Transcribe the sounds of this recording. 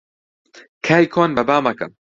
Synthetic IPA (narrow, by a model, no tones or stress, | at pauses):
kʰaːjkʰonbɐbaːmɐkɐ̰m